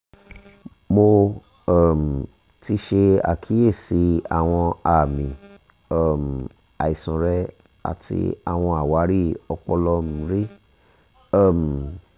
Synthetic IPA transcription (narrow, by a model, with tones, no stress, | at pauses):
mo˧ | a˨m̩˨ | ti˧˦ʃe˧a̰˨kʰi˨˦je˦˨si˧˦a̰˨w̃ɔ̃˧a˨mĩ˨ | a˦˨m̩˨ | a̰˨i˨sɔ̃˨ɾɛ˧˦ | a̰˧tḭ˧a̰˨w̃ɔ̃˧a˨wa˨˦ɾi˦˨ɔ˧k͡pɔ˧lɔ˧m̩˨˧ɾi˦ | a˦˨m˨